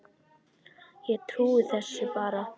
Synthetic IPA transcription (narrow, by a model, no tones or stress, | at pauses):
jɛɣt̪ʰɾuːɪθɛsːɪpaːɾa